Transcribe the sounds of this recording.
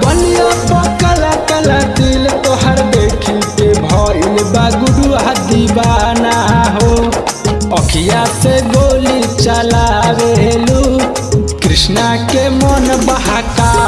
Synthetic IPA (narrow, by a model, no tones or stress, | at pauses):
bɔlijɔpɔkəlakəlad̪ilt̪oɦaɾd̪ekʰitebʱɔjbaɡuɽuɦad̪ibanaɦo | ɔkʰijaseɡolit͡ʃalabeɦelu | kɾisnakemɔnbaɦaka